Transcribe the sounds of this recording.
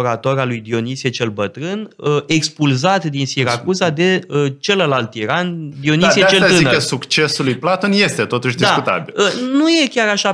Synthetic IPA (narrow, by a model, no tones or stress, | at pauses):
ɾat̪o̞ɾalujd̪io̞nisiet͡ʃe̞lbət̪ɾɨnəe̞kspulzat̪d̪insiɾakuzad̪e̞ət͡ʃe̞ləlalt̪iɾand̪io̞nisieat͡ʃelazɨinəsukt͡ʃe̞sulujplat̪o̞nje̞st̪et̪o̞t̪uʃd̪isakkut̪a̰bilənuje̞kʲaɾaʃa